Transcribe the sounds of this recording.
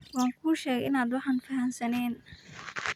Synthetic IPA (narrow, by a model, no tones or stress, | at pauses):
wɑːŋkʰuːʃɛːɣɛʔɪnaːd̪wɑħɑːnfɐɦɐnsɐnɛːn